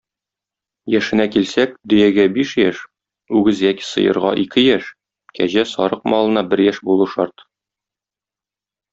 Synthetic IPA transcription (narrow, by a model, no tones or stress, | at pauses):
jæʃɘ̆nækilsæk̚d̪ɵ̆jæɡæbiʃjæʃ | ʉɡɘzjæki̥sɤ̰̆jɤ̰̆ɾʁɑ̰ʔikʰɘjæʃ | kæʑæsɒɾɤq̚mɒlˠɤ̆nɑbɘɾjæʃbulˠuʃɒɾt̪